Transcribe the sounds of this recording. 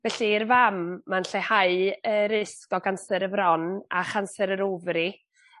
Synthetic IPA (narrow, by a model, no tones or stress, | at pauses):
vɛɬiːɾvamːanɬehaɨəɾɪskɔɡansɛɾəvɾɔnaχansɛɾəɾovri